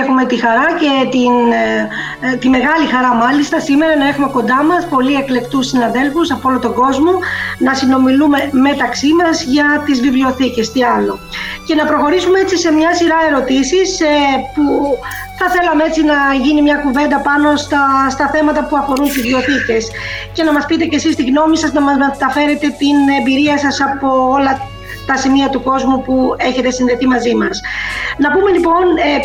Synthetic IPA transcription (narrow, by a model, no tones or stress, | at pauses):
exume̞t̪ixɐɾɐce̞t̪in | t̪ime̞ɣɐlixɐɾɐmɐlist̪ɐsime̞ɾɐnɐe̞xume̞ko̞nd̪ɐmɐspo̞lie̞kle̞kt̪usːinɐðe̞lfusɐpoolot̪o̞ɡo̞zmo̞nɐsino̞milume̞me̞t̪ɐksimɐzʝɐt̪izvivlio̞θice̞st̪iɐlo̞ce̞nɐpɾo̞xo̞ɾisumeet͡sise̞mɲɐsiɾɐe̞ɾo̞t̪isispu | θɐθe̞lɐmee̞t͡sinɐʝinimɲɐkuve̞nd̪ɐpɐno̞st̪ɐst̪ɐθe̞mɐt̪ɐpuɐfo̞ɾunt̪izvio̞θice̞sce̞nɐmɐspit̪e̞ce̞sist̪iɣno̞misɐznɐmɐzme̞t̪ɐfe̞ɾe̞t̪e̞t̪ine̞mbiɾiɐsɐsɐpo̞olɐ | t̪ɐsimiɐt̪uko̞zmupue̞çe̞t̪e̞sinðe̞θimɐzimɐsnɐpume̞lipo̞ne